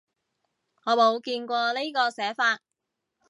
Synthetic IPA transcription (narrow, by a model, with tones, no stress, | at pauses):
ŋɔː˨˧mo˨˧wkiː˧nkʷɔː˧li˥kɔː˧sɛː˨˥faː˧t̚